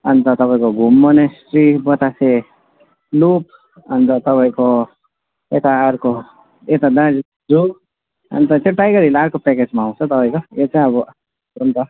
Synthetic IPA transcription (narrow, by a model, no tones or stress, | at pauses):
ʌnt̪ʌt̪ʌpaĩkoɡʱumːʌnesʈribʌt̪ase | lup | ʌnt̪ʌt̪ʌpaj̃ko | et̪aʌɾko | et̪ad̪ãɾi | d͡zu | ʌ̰nt̪ʌt̪ẽʈajɡʌɾileʌɾkopɛked͡zmaːw̃t͡sʰʌt̪ʌpaj̃kojet͡sãĩʌbʌ | ʌnt̪ʌ